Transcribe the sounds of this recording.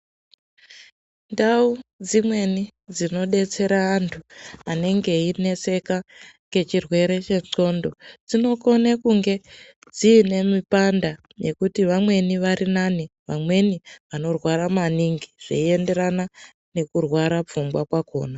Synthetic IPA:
ndaud͡zimwe̞nid͡zino̞ɗe̞t͡se̞ɾaːntʰuane̞ŋɡe̞ine̞se̞kaŋɡe̞t͡ʃirwe̞ɾe̞t͡ʃe̞ʂo̞ndo̞d͡zino̞ko̞nekuŋɡe̞ | d͡ziːne̞mipanda | je̞kutiʋamwe̞niʋaɾinaniʋa̰mwe̞niʋano̞rwaɾamaniŋɡiʐ̥ḛie̞nde̞ɾana | ne̞kurwaɾap͡fumbwakwako̞̰ːna

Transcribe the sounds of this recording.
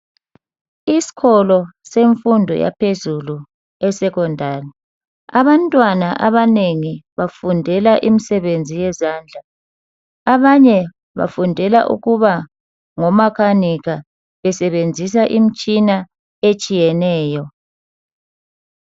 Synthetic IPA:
isi̥ɣʰɔlɔseɱfundʱɔ̰ja̰pʰezulu | ɛsɛkɔndʱaːri | aβantʼwanaʔaβaneŋiβafundʱɛlaʔimisɛβend͡zʱijɛzaːnd͡ɮʱaː | βaɲɛ | βa̰fundʱɛla̰ʔṵɣuβa | ŋɔmakʰaniɣa | βɛsɛβend͡zʱis̬aʔimit͡ʃʼina | et͡ʃʼijɛnɛːjɔ

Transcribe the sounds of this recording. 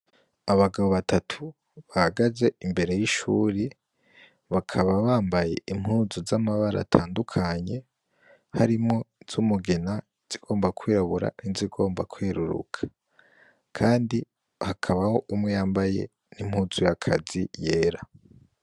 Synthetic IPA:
aβaɡaβoβatʰatʰu | βahaɡaze̞imbe̞ɾe̞jiʃuːɾi | βakʰaβaβaːmbaje̞im̥huːzuzamaβaɾa̰tʰaːndukʰaɲe̞ | haɾimŋo̞z̥umuɡe̞na | z̥iɡ̥o̞ːmbakwiːɾaβuɾa̰niziɡo̞ːmbakweːɾuɾṵkʰḁ | kʰaːndi | hakʰaβaho̞ʔumŋejaːmbaje̞̰ | nim̥huːzujakʰa̰zije̞ːɾa

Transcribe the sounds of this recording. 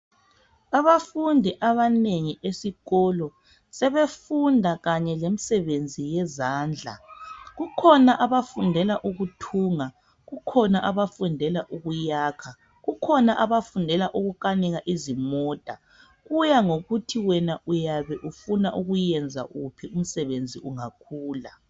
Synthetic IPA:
aβafundʱiʔaβaneŋiʔesiɣɔlɔ | sɛβefundʱaɣaɲɛlem̩sɛβend͡zʱijɛzaːnd͡ɮʱa̰ɣukʰɔnaʔaβafundʱɛlaʔuɣutʰuːŋa | ɣukʰɔnaʔaβafundʱɛlaʔuɣujaːkʰa | ɣukʰɔnaʔaβafundʱɛlaʔuɣukanɛɣaʔizimɔːtʼa | ɣujaŋoɣutʰiwɛnaʔujaβɛʔufunaʔuɣujɛnd͡zʱa̰ɣupʰium̩sɛβend͡zʱiʔuŋakʰuːla

